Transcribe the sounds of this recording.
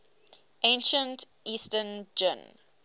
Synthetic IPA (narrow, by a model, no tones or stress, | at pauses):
ʔẽnʃə̃nt | ʔiːstənd͡ʒɪ̰̃n